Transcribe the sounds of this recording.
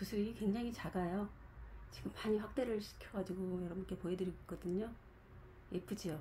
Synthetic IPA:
pusʰuɾiikwe̞ŋd͡ʑaŋit͡ɕaɡajot͡ɕiɡɯmpaɲiɸwak̚t͈e̞ɾɯɭɕʰi̥kʰjʌɡad͡ʑiɡojʌɾʌbʌnk͈e̞poedɯɾik͈ʌdɯɲo | ep͈ʰɯd͡ʑijo

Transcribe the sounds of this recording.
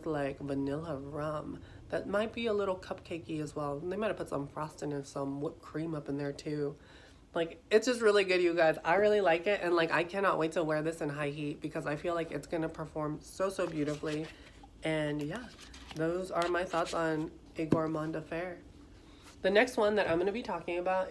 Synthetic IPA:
zlaɪkvɨnɪlˠəɹʌ̃m | ðɨt̚maɪt̚b̥iəlɪɾl̩ˠkʰʌp̚kʰeɪkiɨzwɛlˠðeɪmaɪt̚pʰʊtsʌ̰̃ɱfɹɑstɨ̃ŋɨ̃nsʌ̃mwʊt̚kʰɹ̥ĩmʌpn̩ðə˞tʰʉ | laɪkɨtsd̥ʒ̥ʌst̚ɹɪlˠiɡʊdjɨɡaɪza̰ɪɹɪlˠilaɪkɪtʔɨ̃nlaɪkaɪkʰænɑʔweɪtʰəwɛɹðɪsɨ̃nɦaɪɦit̚b̥ɨkʰʌzaɪfilaɪkɨtsɡ̥ʌnɨpʰə˞fɔɹmsoʊsoʊbjʉɾɨfli | ʔɨ̃njæ | ðoʊzə˞maɪθɔtsn̩ | ɨɡɔɹmɑ̃ndɨfɛɹ | ðɨnɛkst̚wʌ̃nðɨɾʔãɪ̃mɡʌnɨbitʰɔkɪ̃ŋɨbaʊt̚

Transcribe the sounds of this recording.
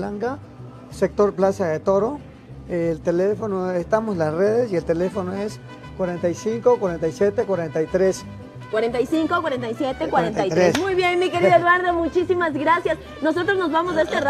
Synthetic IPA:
laŋka | sek̚t̪oɾplasaðet̪oɾo | lt̪elefonoest̪amoslasreðesielt̪elefonoes | kwaɾent̪aisiŋkokwaɾent̪ajsjet̪ekwaɾent̪ait̪ɾes | kwaɾent̪ajsiŋkokwaɾent̪ajsjet̪ekwaɾenaj̪ɾɾesmujβjenmikeɾiðaeɾaɾðomut͡ʃisimazɡɾasjas | nos̬ot̪ɾoznozβamozðeest̪er

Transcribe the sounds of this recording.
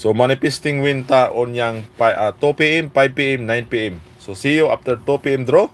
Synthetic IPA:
somanifɛst̪iŋwint̪aʔɔnjaŋpaʔat̪opeɛmpajb̚piɛmnajnpiɛm | sosijoa̰ft̪əɾt̪opiɛmd̪ɾo

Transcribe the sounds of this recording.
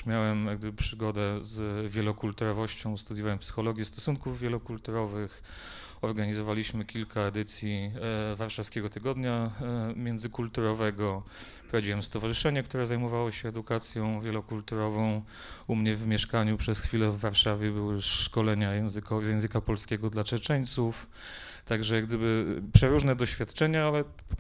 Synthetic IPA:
mʲjawɛmjaɡ̚d̪ɘbɘpʂɘɡɔd̪ɛzvʲjɛlɔkult̪uɾɔvɔɕt͡ɕɔ̃w̃st̪ud̪ʲjuvɛmpsɘ̥xɔlɔɡʲjist̪ɔsunkuvːjɛlɔkult̪uɾɔvɘx | ɔɾɡaɲizɔvalʲiɕmɘkʲilkʰaɛd̪ɘt̪sʲjivaɾʂafskʲɛɡɔt̪ɘɡɔd̪ɲamʲjɛnzɘkult̪uɾɔvɛɡɔ | pɾavd͡ʑiwɛmst̪ɔvaʐɨʂɛɲɛkt̪uɾɛzajmɔvawɔɕɛːd̪ukat̪sʲjɔ̃w̃vʲjɛlɔkult̪uɾɔvɔ̃w̃ | umɲɛvmʲjɛʂkaɲupʂɛsxfʲilɛvːaɾʂavʲjɛbɘwɘʂkɔlɛɲajɛ̃w̃zɘkɔzjɛ̃w̃zɘkapɔlskʲɛɡɔd̪lat͡ʂɛt͡ʂɛɲt̪suf | t̪aɡʐɛjaɡd̪ɘbɘpʂɛɾuʐnɛd̪ɔɕfʲjat̪t͡ʂɛɲaalɛ

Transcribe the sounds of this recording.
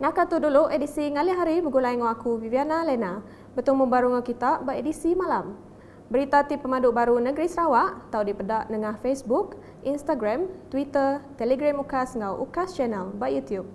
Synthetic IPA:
nãkat̪uduluʔedisiŋaliɦaɾibəɡulaiŋoakuvivianalɛna | bət̪umubaɾuŋalkit̪aʔbaʔedisimãlam | bəɾit̪at̪ipːəmãduʔbaɾunəɡɾisəɾawaʔt̪awdipədaʔnəŋahfesbuk | ʔinst̪aɡɾamt̪wit̪ərt̪ɛlɛɡɾamukasŋɡawʔṵkast͡ʃɛnɛlbaʔjut̪jup̚

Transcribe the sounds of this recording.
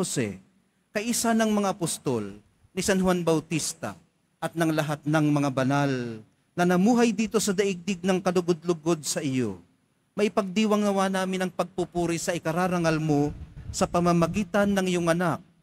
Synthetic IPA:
osɛ̰ | kɐʔisanɐŋmɐŋaɐpost̪o̰l | nɪsanɦʊwanbɐwt̪ist̪a̰ | ʔɐt̪̚nɐŋlɐɦat̪̚nɐŋmɐŋabɐnal | nɐnɐmuːɦajd̪iːt̪o̞sɐd̪ɐʔɪɡ̚d̪ɪɡ̚nɐŋkɐlʊɡod̪̚lʊɡod̪̚sɐʔɪjo̰ | mɐʔɪpɐɡ̚d̪iːwɐŋnɐwaːnaːmɪnɐŋpɐɡ̚pupuːɾɪsɐʔɪkɐɾaːɾɐŋalmosɐpɐmamɐɡiːt̪ɐnːɐŋɪjoŋɐnak̚

